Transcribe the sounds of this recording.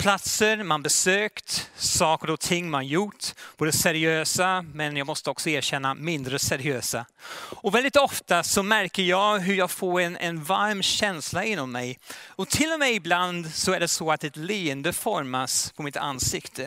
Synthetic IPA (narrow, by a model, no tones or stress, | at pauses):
pʰlat̪səɾmanbɛsøːkt̪sɑːkəɾɔt̪ʰɪŋːmanjʊʈb̥oːd̪əsɛɾɪøːsamɛnjɑːɡmɔst̪əɔksɔæːɾɕɛnːamɪnd̪ɾəsɛɾɪøːsaɔvɛld̪ɪt̪ɔft̪asɔmæɾkəɾjɑːɡɦɵɾjɑːɡfoːɾɛnɛnvaɾmɕɛnslaɪnːɔmːɛjɔt̪ʰɪlːɔmɛɪbland̪sɔæɖɛsɔat̪ɛt̪liːənd̪əfɔɾmaspʰɔmɪt̪ʰa̰nsɪkt̪ʰə